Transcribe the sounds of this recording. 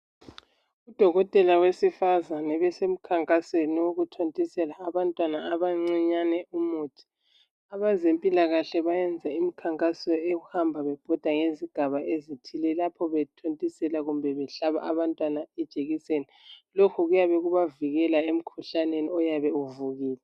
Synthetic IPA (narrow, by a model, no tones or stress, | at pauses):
ud̥ʱɔɣɔtʼɛlawesifazanɛβɛsem̩kʰaŋkʼaseniwoɣutʰontʼisɛlaːβantʼwanaːβaŋ͡ǀiɲanɛumuːtʰi̥ | aβazempʼilaɣaɬɛβajɛnd͡zʱaimikʰaŋkʼasɔeɣuhambʱaβɛb̥ʱɔd̥ʱwaŋeziɡ̥ʱaβaʔezitʰilɛlapʰɔβɛtʰontʼisɛlaɣumbʱɛβɛɬaβa̰ʔaβantʼwanaɛd̥ʒ̥ʱʼeɣisenilokʰuɣujaβɛɣuβaviɣɛlaem̩kʰuɬaneniɔjaβɛuvuɣiːlɛ